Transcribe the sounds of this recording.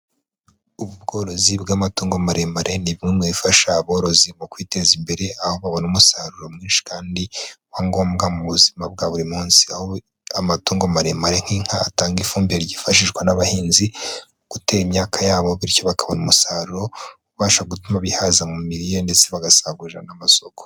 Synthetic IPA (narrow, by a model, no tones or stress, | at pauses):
uβub̚ɡo̞ːɾo̞zibɡaːmatuːŋɡo̞maɾemaɾʔe̞niβimŋemwifaʃaːβo̞ːɾo̞zimukwiːte̞zimbe̞ɾe̞aho̞βaβo̞numusaɾuɾo̞mŋiːnʃi̥kaːndiwaŋɡo̞ːmɡamuβuzimab̚ɡaβuɾimuːnsi̥aho | amatuːŋɡomaɾemaɾe̞ŋ̥hiŋ̥haːtaːŋɡifuːmbieɾɟifaʃiʒɡwanaβahiːnzi | ɡ̥ute̞ːɾimɲaːkʰajaːβo̞βiɾco̞βakaβonumusaːɾuɾo̞ | uβaːʃaɡutumaβihazamumiɾijonde̞t͡se̞βaɡasaɡuʒanamaso̞ko̥